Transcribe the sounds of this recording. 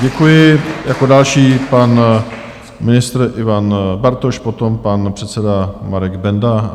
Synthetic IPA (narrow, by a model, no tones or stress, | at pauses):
ɟɛkujɪjakodalʃiːpan | mɪnɪst̪ɾʔɪvanbaɾt̪oʃpot̪o̞mpanpr̥ɛt̪sɛdamaɾɛɡbɛnda